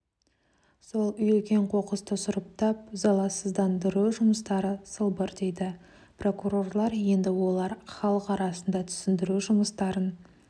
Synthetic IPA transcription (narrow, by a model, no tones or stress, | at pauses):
so̞lˠʏjʏlkʲe̞ɴqʰo̞qəst̪əsʊɾəp̚t̪ɑp̚zɑlˠɑsəzd̪ɑnd̪əɾuʒʊməst̪ɑɾəsəlˠbəɾd̪e̞jd̪ɪ | pro̞kuɾo̞rlˠɑɾje̞nd̪ɪwo̞lˠɑɾχɑlˠəqɑɾɑsənd̪ɑt̪ʰʏ̥sɪnd̪ɪɾuʒʊməst̪ɑɾən